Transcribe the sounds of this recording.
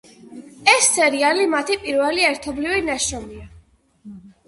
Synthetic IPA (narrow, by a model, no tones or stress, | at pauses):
ɛsːɛɾialimat̪ʰipʼiɾvɛliɛɾt̪ʰɔblivinaʃɾɔmia